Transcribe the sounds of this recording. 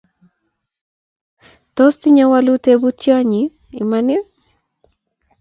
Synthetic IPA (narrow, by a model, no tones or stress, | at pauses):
t̪ɔst̪iɲawalut̪ebutjaɲi | imane